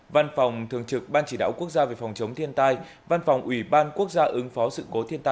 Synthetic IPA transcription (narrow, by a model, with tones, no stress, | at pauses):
va˧nfa˨˩wŋ͡mt̪ʰɨ˨˩əŋt͡ɕɨ˨˩k̚ɓaː˧nt͡ɕi˧˩ɗa̰ː˧˨wku˦˥ək̚zaː˧ve˨˩fa˨˩wŋ͡mt͡ɕə˨˦wŋ͡mt̪ʰi˧ənt̪aː˧j | va˧nfa˨˩wŋ͡mʔwi˧˩ɓaː˧nku˦˥ək̚zaː˧ʔɨ˨˦ŋfɔ˨˦sɨ̰˧˨ko˨˦t̪ʰi˧ənt̪aː˧